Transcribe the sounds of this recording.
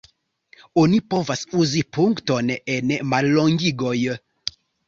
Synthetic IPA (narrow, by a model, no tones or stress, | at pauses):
o̞nipo̞vasuzipuŋkto̞ne̞nmalːo̞ŋɡiɡo̞j